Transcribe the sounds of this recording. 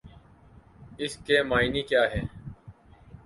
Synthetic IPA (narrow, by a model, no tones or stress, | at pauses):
ɪskeːmaːinikjaːɦɛː